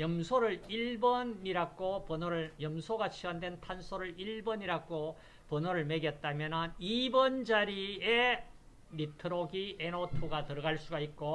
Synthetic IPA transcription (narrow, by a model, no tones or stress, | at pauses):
jʌmsʰoɾɯɭiɭbʌniɾaɡopʌnʌɾɯjʌmsʰoɡat͡ɕʰiwandwe̞ntʰansʰoɾɯɭiɭbʌɲiɾaɡo | pʌnʌɾɯɭmeɡjʌt̚t͈amjʌnɯnibʌnd͡ʑaɾie | mitʰɯɾoɡiʔenotʰoɡatɯɾʌɡaɭs͈uɡaik̚k͈o